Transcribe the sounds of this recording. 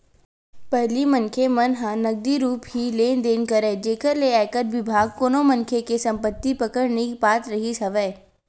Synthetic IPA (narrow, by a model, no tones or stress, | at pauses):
pɛɦlimɐnkʰemɐnɦãnɐɡ̚d̪iɾuːpɦileːnd̪eːnkəɾeːd͡ʒeːkəɾleaːjkəɾʋɪbʱaːɡ̚koːnomɐ̃nkʰekesɐ̃mpət̪ːipɐkəɽnekibaːt̪ɾɐɦisɐʋɛː